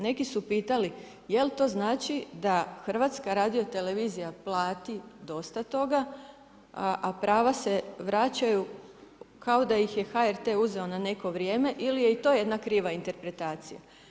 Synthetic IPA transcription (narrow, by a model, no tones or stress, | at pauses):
ne̞kisupiːt̪ali | je̞lt̪o̞ːznaːt͡ʃid̪axr̩ʋat̪skaɾaːd̪ijo̞t̪e̞le̞ʋizijaplˠaːt̪id̪o̞st̪at̪o̞ɡa | ʔapɾaːʋase̞ʋɾat͡ɕaju | kao̞d̪ajixje̞xaeɾt̪e̞uze̞o̞nane̞ko̞ʋɾʲje̞ːme̞ʔilije̞it̪o̞ːje̞d̪nakɾiːʋaint̪e̞ɾpɾe̞t̪aːt̪sija̰